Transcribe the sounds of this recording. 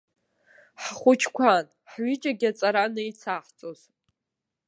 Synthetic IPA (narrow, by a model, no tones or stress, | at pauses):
ħχʷʊt͡ʃʰkʷʰan | ħɥid͡ʒʼaɡʲat͡sʼaɾanɨjt͡sʰaħt͡sʼoz̥